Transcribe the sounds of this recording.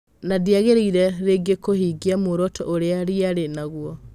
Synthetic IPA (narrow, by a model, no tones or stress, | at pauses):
nadiaɣeɾeiɾɛɾeɡekohiɡiamoɾɔtʰɔ̰ʔoɾeaɾiaɾenaɣwɔ